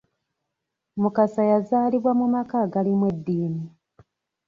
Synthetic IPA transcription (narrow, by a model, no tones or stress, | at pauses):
mukasajazaːliβwamumakaɡalimwedːiːmi